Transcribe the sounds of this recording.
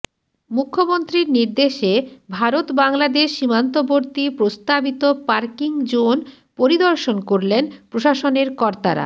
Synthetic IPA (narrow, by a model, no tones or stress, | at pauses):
mukʰːomont̪ɾiɾniɾd̪eʃebʱaɾot̪baŋlad̪eʃːimant̪oboɾt̪ipɾost̪abit̪opaɾkiŋd͡ʑon | poɾid̪oɾʃonkoɾlenpɾoʃaʃoneɾkɔɾt̪a̰ɾa̰